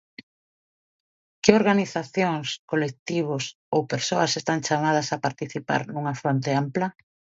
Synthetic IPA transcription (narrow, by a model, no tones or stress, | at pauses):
kɪoɾɣaniθaθjoŋskolek̚t̪iβ̞ʊs | owpeɾsoɐsest̪aŋt͡ʃamað̞ɐsapaɾt̪iθipa̰ɾnuŋɐfɾont̪̬eamplɐ